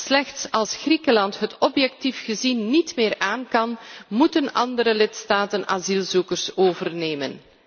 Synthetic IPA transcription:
slɛxtsɑlˠsxrikəlɑntɦətɔpjɛk̚tifɣəzinːitmɪːraːnkɑnmutənɑndəɾəlɪtstaːtəna̰zilˠzukərsoːvərneːmən

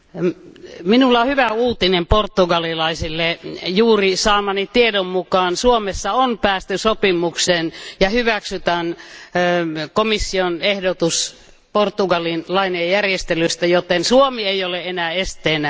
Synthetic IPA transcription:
minulːɑohyʋæuːt̪inemport̪ːuɡɑlilɑisilːejuːrisɑːmɑnit̪iedommukɑːnsuomesːɑonpæːst̪ysopimːˑuksenjɑhyʋæksyt̪æn | komisːionehdot̪us | port̪ːˑuɡɑlinlɑinejjærjest̪elyst̪æjot̪ensuomieioleenæːest̪ˑeːnæ

